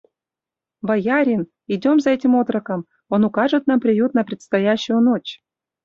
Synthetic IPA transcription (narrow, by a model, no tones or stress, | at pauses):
vɑjɑɾʲin | idʲomzaɛtʲimot̪rɤkə̆m | onukɑʐɨt̪̚nɑmpɾʲijut̪̚nɐpɾʲɪt̪st̪ajaɕːʊjənot͡ɕ